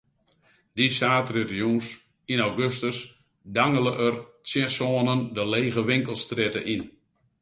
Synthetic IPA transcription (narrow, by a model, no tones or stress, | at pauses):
disaːtrɪtəjus | inawɡøstəs | daŋələʔərsjɛsoːənəndəleːɣəʋɪŋkəlˠstrɪtə̰ʔin